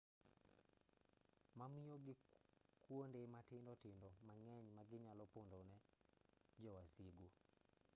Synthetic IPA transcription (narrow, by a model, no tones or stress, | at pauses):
mamɪjoɡɪkwondematɪndɔtɪndɔmaŋɛɲmaɡɪɲalɔpondonɛ | d͡ʒɔwasiɡo